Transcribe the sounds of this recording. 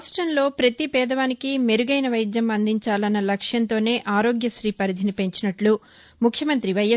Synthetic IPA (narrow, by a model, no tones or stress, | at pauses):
asʈɾɐnlo̞ːpɾɐt̪ipɛːd̪ɐʋaːnikime̞ɾuɡɐjnɐʋɐjd͡ʒ̪jɐmɐnd̪iɲt͡ʃaːlɐnːɐlɐkʂjɐnt̪o̞ːne̞ːʔaːɾo̞ːɡjɐʃɾiːpɐɾid̪ʱinipe̞ɲt͡ʃinɐʈlu | mukʰːjɐmɐnt̪ɾiʋɐjɐ